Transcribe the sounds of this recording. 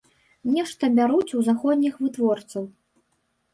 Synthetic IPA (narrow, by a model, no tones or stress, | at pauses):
nʲɛʂt̪ɐbʲaɾut͡sʲuzaxɔd̪ʲnʲixvɨt̪vɔrt̪sɐw